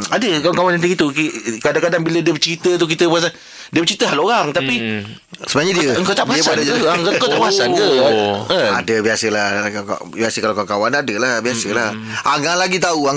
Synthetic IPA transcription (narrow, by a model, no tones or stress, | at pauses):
adəkawaŋkawanant̪ikit̪ukikadaŋkadaŋbilədiəbət͡ʃɾit̪ət̪uk̬it̪əpuas̬an | diəbət͡ʃɾit̪əɦaloɾaŋt̪api | səbənaɲãdiəŋkat̪abuaəpsadad͡ʒaəaŋkakat̪aʔpuasankəəa̰dəbiasəlahka̰ | biasəkalakaakawanadəlabiasəlah | aŋaʔlaɡit̪auaŋ